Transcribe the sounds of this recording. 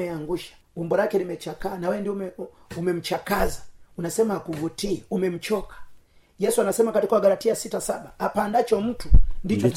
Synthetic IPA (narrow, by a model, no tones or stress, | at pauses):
ɛaŋɡuʃḁ | umbɔlakɛlimɛt͡ʃakaːnawɛndim | umɛm̩t͡ʃakazaunasɛmahakuvutiɛumɛm̩t͡ʃɔkḁ | jɛsuanasɛmakatikwaɡalatiasitasaɓaapandat͡ʃɔm̩tundit͡ʃɔ